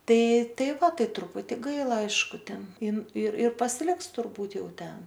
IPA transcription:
ˈtɐɪ ˈtɐɪ ˈʋɐ ˈtɐɪ trʊˈpʊtʲɪ ˈɡɐɪlˠɐ ˈɐɪʃkʊ ˈtʲɛn ˈɪn ɪr ɪr pɐsʲɪˈlʲɪks tʊrˈbuːtʲ ˈjɛʊ ˈtʲɛn

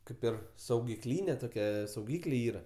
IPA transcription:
ˈkɐɪp ɪr sɐʊɡʲɪˈklʲiːnʲɛ toːˈkʲɛ sɐʊˈɡʲiːklʲeː ˈiːrɐ

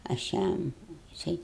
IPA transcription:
ɐʃ ˈjɛm jɪˈsɐɪ

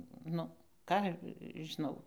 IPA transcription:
ˈnʊ ˈkɑː ʒʲɪˈnɐʊ

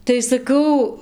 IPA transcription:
tɐɪ sɐˈkɐʊ

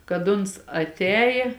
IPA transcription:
kɐt ˈʊns ɐtʲˈɛːjeː

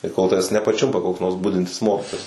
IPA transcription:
tɐɪ koːlˠ ˈtɑːʋʲɛs nʲɛpɐˈt͡ʃʲʊmpɐ koːks ˈnoːrs ˈbʊdʲɪnʲtʲɪs ˈmoːkʲɪtoːjɛs

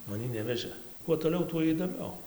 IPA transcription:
mɐˈnʲiː ˈnʲæːʋʲɛʒɘ kuɔ toːˈlʲɛʊ tuɔ iːdoːˈmʲɛʊ

